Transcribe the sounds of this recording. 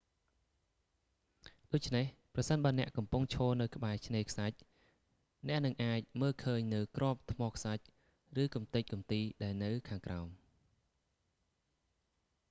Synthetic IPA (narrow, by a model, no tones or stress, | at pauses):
ɗoːc̚t͡ɕʰnehprɑsənɓaənɛ̆əʔkɑmpuŋt͡ɕʰoːlnɨwkə̆ɓaɛt͡ɕʰneːkʰsac̚ | nɛ̆əʔnɨŋʔaːc̚məːlkʰəːɲnɨwkrŏəp̚t̪ʰmɔːkʰsac̚ | rɨːkumt̪ɨc̚kumt̪iːɗaɛlnɨwkʰaːŋkraɔm